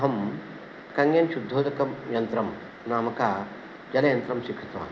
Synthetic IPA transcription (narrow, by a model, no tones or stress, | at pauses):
ɦɐm | kɐŋɡjɐnɕud̪ʱːoːd͡ʒɐkɐmjɐnt̪ɾɐm | naːmɐka | d͡ʒɐlɐjɐnt̪ɾɐmɕikʰɐ̥t̪ʋa̰